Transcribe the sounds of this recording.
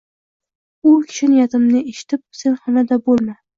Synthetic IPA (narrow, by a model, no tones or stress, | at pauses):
ʊkʲʰɪ̥ʃɪnɪjat̪ɪmnɪeʃɪ̥t̪ʰɪp̚se̞nhɒnad̪abolˠma